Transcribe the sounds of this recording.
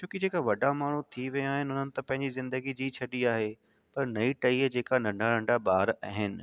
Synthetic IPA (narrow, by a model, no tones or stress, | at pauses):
t͡ɕʰoːkid͡ʑeːkaʋɐɖʱamaːɳ̤ut̪ʰiʋɐ̃aːɦɪnɪɦʊn̤ənɪ̆t̪ɐpɐ̃ɦɪ̃ɲd͡ʑizɪ̃nd̪əɡid͡ʑiːt͡ɕʰɐɗiaːɦe | pɐɾnɐiʈɐiːɦd͡ʑeːkanɐ̃ɳɖʱaɾɐ̃ɳɖabaːɾa̰ːɦɪnɪ̆